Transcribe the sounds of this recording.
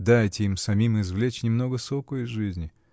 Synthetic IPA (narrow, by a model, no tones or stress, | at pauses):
d̪ajtʲɪimsɐmʲimɪzvlʲet͡ɕnʲɪmno̞ɡəsokʊɪzʐɨzʲnʲɪ